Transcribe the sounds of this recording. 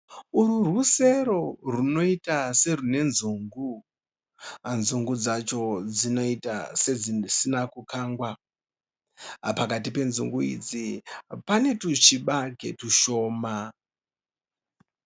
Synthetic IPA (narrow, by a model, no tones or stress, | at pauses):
uɾuruse̞ɾo̞runo̞itase̞rune̞nzuŋɡu | anzuŋɡud͡zat͡ʃo̞d͡zino̞ita̰se̞d͡zisinakukʰaːŋɡwa | pakatipe̞nzṵŋɡuḭd͡zipane̞tut͡ʃiɓaɡʱe̞̰tuʃo̞ːma